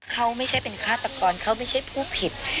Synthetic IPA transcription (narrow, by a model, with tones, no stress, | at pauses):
kʰa˦˥wma˥˩jt͡ɕʰa˦˥˩jpe˧nkʰaː˥˩t̪a˨˧kɔː˧nkʰa˦˥˩wma˥˩jt͡ɕʰa˥˩jpʰuː˥˩pʰi˨˩t̪̚